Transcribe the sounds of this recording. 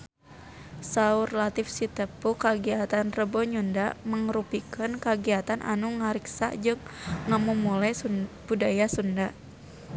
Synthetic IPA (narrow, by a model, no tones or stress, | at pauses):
saurlat̪ifsit̪əpukaɡiat̪anrəbɔɲundaʔməŋɾupikənkaɡiat̪anʔa̰nuŋaɾiksa̰d͡ʒɨŋːəmumulab̥udajasunda